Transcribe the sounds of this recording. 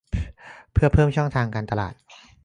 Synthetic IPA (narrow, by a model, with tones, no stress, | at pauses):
pʰɯ˥˩ɐpʰɤː˥˩mt͡ɕʰɔ˥˩ŋt̪ʰaː˧ŋkaː˧nt̪a˧la̰ː˨˩t̪̚